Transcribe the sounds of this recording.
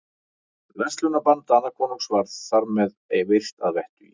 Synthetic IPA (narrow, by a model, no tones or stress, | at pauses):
lɛnst̪lʏnapant̪aanːakʰvɔːnuŋksvaɾðθaɾmɛðejvɪr̥t̪aðvɛht̪ʏḭ